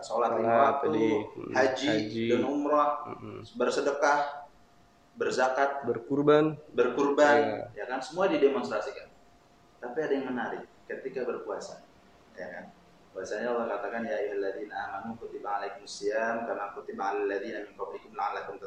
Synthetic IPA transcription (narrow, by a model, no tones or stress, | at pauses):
solat̪liwat̪uhad͡ʒidəŋumɾɔhbərsədəkah | bərzakat̪̚bərkurbanbərkurbanjakansəmuadidemɔnst̪ɾasikan | t̪apiadajaŋmənaɾɪkːət̪ikabərkuasa | jakan | kuasaɲaulakat̪akanjaːjuɦalːad̪inaamanukut̪ibaŋalaikumusiamkarnakut̪ibaŋalialːad̪inamiŋkapikʊmlaŋanlakʊŋt̪ə